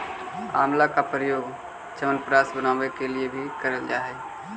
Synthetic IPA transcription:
aːmlakapɾəjoːɡ | t͡ʃəmənpɾaːsbənaːʋekeliebʱikəɾəld͡ʒaːɦɛ

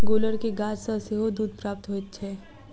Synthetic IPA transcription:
ɡoːləɾkeɡaːd͡ʒsəseɦod̪uːd̪̚pɾaːp̚t̪ɦot̪ːt͡ʃʰɛː

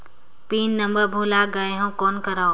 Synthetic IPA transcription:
piːnːəmbəɾbʱuːlaːɡaɦõːkoːnkəɾaː

